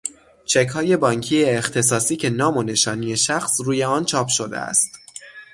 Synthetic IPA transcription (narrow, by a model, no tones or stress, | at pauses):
t͡ʃʰe̞chɒːje̞bɒːŋcʰiːeːxt̪ʰe̞s̬ɒːsiːcʰe̞nɒːmo̞ne̞ʃɒːnije̞ʃæxsɾuːje̞ɒːnt͡ʃʰɒːpʰʃo̞d̪ḛæ̰st̪